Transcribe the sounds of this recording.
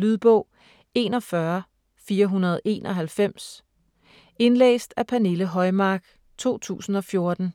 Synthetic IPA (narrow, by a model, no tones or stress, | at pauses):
lyðˠb̥ɔʊ̰ | e̝ːnɒ̽fɶɐ | fiːɐɦunɐð̞ˠe̝̰ːnʔɒ̽ɦælfem̰s | e̝nlḛːsd̥æpʰæne̝ləɦɒ̽ɪmɑ̈ːɡ̥ | t͡sʰo̝̰ːt͡sʰṵːsn̩ɒ̽fjo̝ɐd̥n̩